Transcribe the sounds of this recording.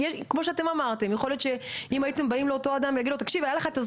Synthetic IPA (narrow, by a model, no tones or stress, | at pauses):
jɛʃkmo̞ʃeat̪e̞mamaʁt̪e̞mjexo̞ljo̞t̪ʃeimajite̞mbaimleoto̞ad̪amvilaɡid̪lot̪akʃivajaleχataz